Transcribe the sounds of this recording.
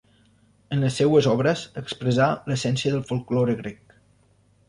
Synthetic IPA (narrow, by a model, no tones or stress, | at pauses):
ənləsːɛwəzɔβɾəzəkspɾəzaləsɛnsiəðəlˠfulˠkloɾəɣɾɛk̚